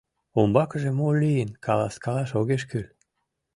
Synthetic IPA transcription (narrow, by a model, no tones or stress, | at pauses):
ombɑkəʒemolijənkʰɑlɑ̰skɑlɑʃoɣeʃkøl